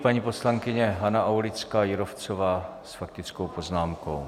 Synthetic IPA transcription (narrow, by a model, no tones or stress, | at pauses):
paɲipo̞slaŋkɪɲɛɦanaʔawlɪt͡skaːjɪɾoft͡sovaːsfak̚t̪ɪt͡skowpo̞znaːmko̞w